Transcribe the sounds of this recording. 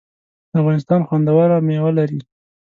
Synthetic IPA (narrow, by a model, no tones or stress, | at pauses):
d̪̥əafɣɑnɪs̬t̪ɑnxwand̪awaɾamewalaɾi